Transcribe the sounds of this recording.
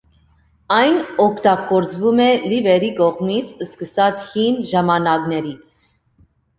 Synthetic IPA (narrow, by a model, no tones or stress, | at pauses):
ɑjnɔkʰt̪ɑkɔɾt͡svumɛlivɛɾikɔʁmit͡sʰəskəsɑt͡sʰhinʒɑmɑnɑknɛɾit͡sʰ